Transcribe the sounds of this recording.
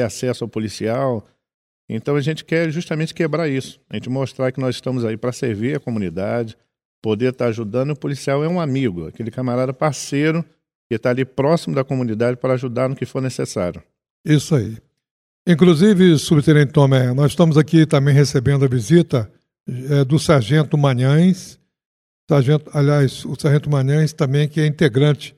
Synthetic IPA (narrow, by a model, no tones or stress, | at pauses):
easɛsʊawpolisiaw | ḛ̃nt̪ɐ̃w̃ɐʒẽnt͡ʃɪ̥kɛɾʒuʃt̪ɐmẽnt͡ʃɪ̥kebɾaɾisʊ̥ɐʒẽnt͡ʃɪmoʃt̪ɾakɪnɔzɪʃt̪ɐ̃mʊzaipɾɐseɾviɾɐkomũnid̪ad͡ʒɪ | pod̪eɾt̪aɾaʒud̪ɐ̃nʊɪʊpolisiawɛũamiɡʊɐ̰kelɪkamaɾad̪ɐpaɾsejɾʊ | kɪt̪aːlipɾɔsimʊd̪ɐkomũnid̪ad͡ʒɪpɾɐːʒud̪aɾnʊkɪfoɾnesesa̰ɾjʊ | isʊai | ĩkluzivɪsubɪt̪eɾẽt̪õmɛnɔzɪʃt̪ɐ̃mʊzakit̪ɐ̃mbẽj̃hesebẽnd̪ʊɐvizit̪ɐ | ɛd̪ʊsaɾʒẽnt̪ʊmɐ̃ɲɐ̃j̃s | saɾʒẽnt̪ʊaliajsʊsaɾʒẽnt̪ʊmɐ̃ɲɐ̃j̃st̪ɐ̃mbẽj̃kɪɛĩnt̪eɡɾɐ̃t͡ʃɪ̥